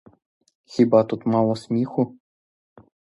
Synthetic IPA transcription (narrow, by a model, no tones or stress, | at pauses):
xʲibɑt̪ut̪mɑlˠɤ̆smʲixu